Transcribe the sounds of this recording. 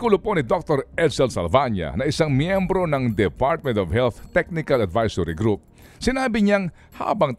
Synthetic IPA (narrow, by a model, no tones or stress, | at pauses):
kuːlʊponɪd̪ok̚t̪oɾʔɛd̪sɛlsɐlvaɲjɐ̰nɐʔɪsaŋmjɛmbɾo̞nɐŋd̪ɛpaɹt̪̚mɛ̃nt̪ɔvhɛlθt̪ɛk̚nɪkɐlɐd̪vajsoɾiɡɾup̚ | sɪnaːbɪɲaŋ | ha̰ːbɐŋt̪